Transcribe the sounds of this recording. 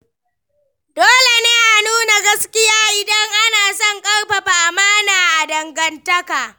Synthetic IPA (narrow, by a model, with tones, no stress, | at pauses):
doː˦le˨neː˦ʔa˨nuː˦na˨ɡɐ˦skʲɪ˦jaː˦ʔɪ˨dɐ˦ŋʔa˦naː˨sɔ˦˨ŋkʼɐ˦rɸa˨ɸa˨ʔa˨maː˦naː˨ʔa˨dɐ˨ŋɡɐ˨ntɐ˦ka˨ʔ